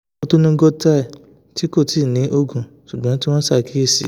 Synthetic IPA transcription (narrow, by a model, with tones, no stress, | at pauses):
o˧to˦nũ˦ɡɔ˧ta˦i˨ | ti˨˦ko˦˨ti˦˨nĩ˨˦ʔo˧ɡũ˨ʃu˨ɡ͡bã˨˦ti˦w̃ɔ̃˦sa˦˨ki˨˦e˦˨sḭ˨˦